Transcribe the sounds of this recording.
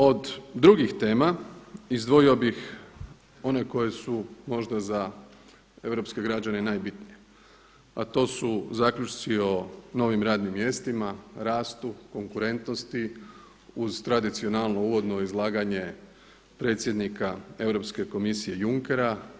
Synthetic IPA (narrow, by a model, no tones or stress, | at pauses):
o̞d̪ːɾuɡixt̪e̞ːmaizd̪ʋoio̞bix | o̞ne̞ko̞je̞sumo̞ʒd̪aza | e̞ʋɾo̞pske̞ɡɾad͡ʑane̞naːjbit̪nije | at̪o̞ːsuzaːkʎʲut͡ʃt̪sio̞no̞ʋimɾaːd̪nimːje̞st̪imaɾaːst̪uko̞ŋkuɾe̞nt̪nost̪i | uzt̪ɾad̪it̪sio̞nalˠno̞uʋo̞d̪no̞izlˠaːɡaɲe̞ | pɾe̞ːt̪sje̞d̪nikae̞ʋɾo̞pske̞ko̞misije̞juŋke̞ɾa